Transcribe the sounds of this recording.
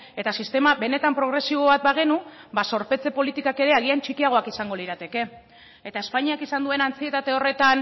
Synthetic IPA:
e̞t̪asist̪e̞maβe̞ne̞t̪ampɾo̞ɣ̞ɾe̞siβ̞o̞βat̪̚baɣ̞e̞nubaso̞ɾpe̞t͡se̞po̞lit̪ikake̞ɾe̞aɣ̞iant͡ʃikiaɣ̞o̞akisaŋɡo̞liɾat̪e̞ke̞ː | t̪ae̞spaɲiakisand̪ue̞nant͡sie̞t̪at̪e̞o̞re̞t̪an

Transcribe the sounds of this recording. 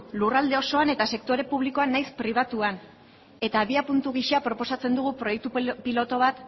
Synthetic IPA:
lurald̪e̞o̞so̞ane̞t̪ase̞kt̪o̞ɾe̞puβ̞liko̞anːajspɾiβ̞at̪uan | e̞t̪aːβiapunt̪uɣ̞iʃeapɾo̞po̞sat͡se̞nd̪uɣupɾojek̚t̪upilo̞t̪o̞βat̪

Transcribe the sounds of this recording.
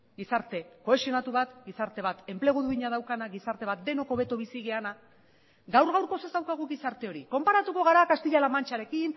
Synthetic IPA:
ɡisaɾt̪e̞ko̞e̞sio̞nat̪uβat̪ɡisaɾt̪e̞β̞at̪e̞mple̞ɣ̞uðuiɲað̞awkanaɣisaɾt̪e̞β̞at̪̚d̪e̞no̞ko̞βe̞t̪oβ̞isiɣeana | ɡawɾɣawɾko̞se̞zd̪awkaɣ̞uɣisaɾt̪e̞o̞ɾiko̞mpaɾat̪uko̞ɣaɾakast̪iʎalamant͡ʃaɾe̞kin

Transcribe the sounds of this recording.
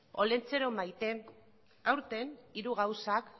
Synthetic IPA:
o̞le̞nt͡se̞ɾomajt̪eŋ | awɾt̪e̞niɾuɣawsak

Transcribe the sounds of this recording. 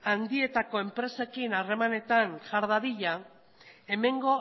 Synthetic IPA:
and̪ie̞t̪ako̞e̞mpɾe̞se̞kinare̞mane̞t̪anʝaɾð̞aðiʎa | e̞me̞ŋɡo̞

